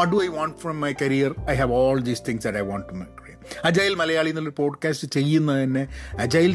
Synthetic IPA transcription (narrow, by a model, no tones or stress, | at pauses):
ɔʈ̚ɖuɐjʋãːɳʈfɾɐ̃mːɐjkɐɾijɐrɐjɦæʋɔːld̪iːst̪ʰɪ̃ŋsd̪ɐʈɐjʋãːɳʈːumerimɐd͡ʑaːjilmɐlɐjaːɭijunːɐloɾupo̞ːɖkaːstɨt͡ɕe̞jːunːɐðɐnːe̞ɐd͡ʑaːjil